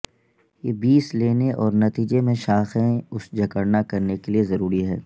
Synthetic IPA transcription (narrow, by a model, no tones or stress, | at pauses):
jeːbiːsleːneʔɔːɾnɐt̪iːd͡ʒemẽʃaːxẽʊsd͡ʒɐkəɽnakɐɾnekeliezɐɾuːɾiɦɛː